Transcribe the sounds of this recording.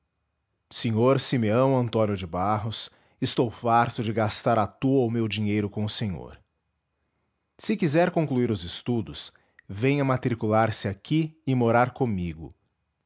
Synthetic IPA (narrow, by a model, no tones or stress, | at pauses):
seɲoɾsimeɐ̃w̃ɐ̃nt̪õnjʊd͡ʒɪbaɦʊs | ɪst̪owfaɾt̪ʊd͡ʒɪɡast̪aɾat̪uawmewd͡ʒiɲejɾʊkõʊsẽɲo̰ɾ | sɪkizɛɾkõkluiɾʊzɪst̪ud̪ʊs | vẽj̃ɐmat̪ɾikulaɾsɪakʰiɪmoɾaɾkõmiɡʊ̰